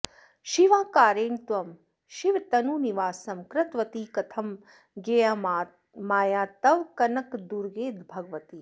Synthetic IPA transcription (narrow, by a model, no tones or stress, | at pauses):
ʃiʋãːkaːɾeːɳt̪ʋɐm | ʃiʋt̪ɐnuːniʋaːsɐmkɾɐt̪ʋɐt̪iːkɐt̪ʰɐm | ɡeja | maːjaːt̪ɐʋkɐnɐkd̪uɾɡeːd̪bʱɐɡʋɐt̪iː